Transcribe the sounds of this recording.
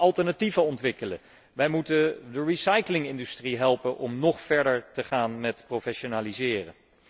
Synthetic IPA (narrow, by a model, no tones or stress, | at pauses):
ɑlˠtəɹnativəɔntʋɪkələ̰ | ʋɛjmutədəɹisɑjklɪŋɪndystriɦɛlˠpənʔɔmnɔχfɛɹdəɹtəχaːnmɛtprofɛʃonaːlizɪːrə̰